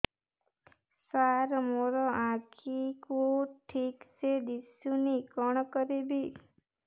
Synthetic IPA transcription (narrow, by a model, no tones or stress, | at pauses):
saɾmoɾɔãkʰikoʈʰikt͡ʃʰed̪isunikɔɳkəɾebʱi